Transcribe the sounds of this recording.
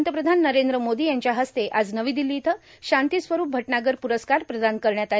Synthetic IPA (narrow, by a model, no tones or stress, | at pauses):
nt̪əp̬ɾəd̪ʱanːəɾend̪ɾəmod̪iːjaɲt͡ɕjaɦəst̪eʔad͡znəʋiːd̪ilit̪ə | ɕant̪isʋəɾuːp̚bʱəʈɳaɡəɾpuɾəskaɾpɾəd̪ʱankəɾɳjat̪a